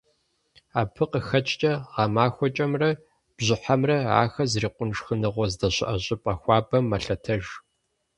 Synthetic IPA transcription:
aːpʰɨqəxɐt͡ʃʼt͡ʃʼɐʁɑmaːxʷɔt͡ʃʼɐmrɐ | b̥ʑɪħamrɐʕa̰ːxɐzriːqʷʊnʂxɨnɨʁʷɔzdɐɕɪ̰ʔɐɕʼɪpʼɐxʷɑːbɐmːɐɬɐtʰɐʒ

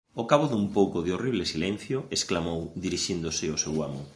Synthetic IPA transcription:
okaβoðumpowkʊðɪoriβlɪsilɛ̃n̟θjoesklamowðiɾiʃind̪ʊsɪosewamʊ

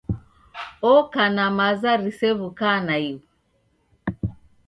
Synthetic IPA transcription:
ɔkanamazaɾisɛβukanaiwu

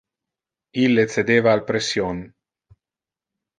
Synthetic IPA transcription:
ilːet̪t͡s̪ed̪eːvaːlpɾesjon

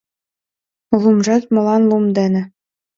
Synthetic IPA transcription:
lˠumʐɑt̪mɤ̆lˠɑnlˠumd̪ɘ̆nʲɘ̆

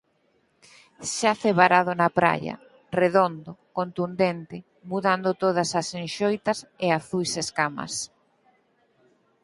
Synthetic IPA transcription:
ʃaθeβaɾaðʊnɐpɾa̰jɐ̰ | reðond̪ʊkont̪und̪ent̪ɪ | muðand̪ot̪oð̞ɐsɐsenʃojt̪ɐseaθujseskamɐ̰s

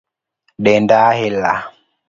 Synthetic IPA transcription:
ɗɛndaːhɛlːa̰

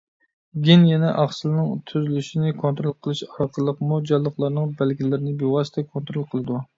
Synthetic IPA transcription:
ɡʲinjɛnɛʔɑχsɨlˠnɨŋt̪ʰyzylyʃinɪkʰont̪ɾolˠqʰəlˠɨʃɑɾqʰəlˠːəqmud͡ʒɑlˠːəχlˠɑɾnɨŋbælɡʲilɪɾɪnɪbewɑsɪ̥t̪ʰɛkʰont̪ɾolˠqʰəlˠɨd̪u

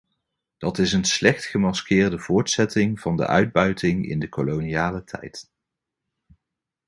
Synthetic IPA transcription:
d̥ɑtɪsənslɛχtχəmɑskɪːɹdəv̥ʊːɹtsɛtɪŋv̥ɑndə̰ʔœ̰ɥd̚bœɥtɪŋɪ̰ndəkoloniaːlətʰɛ̰jt

